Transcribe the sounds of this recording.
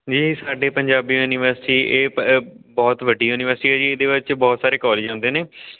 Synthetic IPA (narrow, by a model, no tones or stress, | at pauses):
d͡ʒiːsaːɖeːpəɲd͡ʒaːbiːuːnɪʋəɾsɪʈiːʔeːbɔːt̪ʋəɖiːuːnɪʋəɾsɪʈiːɦɛːd͡ʒiːeːd̪eːʋɪt͡ʃbɔːt̪saːɾeːkɔːleːd͡ʒãːnd̪eːnẽː